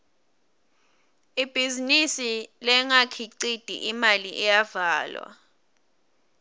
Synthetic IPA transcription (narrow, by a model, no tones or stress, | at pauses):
ib̥ʱizinisilɛŋakʰiǀid̥ʱḭʔimaliʔɛjavaːlwa̰